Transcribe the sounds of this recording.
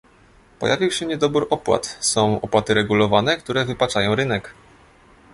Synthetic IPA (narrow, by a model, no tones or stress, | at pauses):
pɔ̰javʲiwɕɛɲɛd̪ɔbuɾʔɔpwa̰t̪sɔ̃w̃ɔ̰pwat̪ɘɾɛɡulɔvanɛkt̪uɾɛvɘpat͡ʂajɔ̃w̃ɾɘn̪ɛk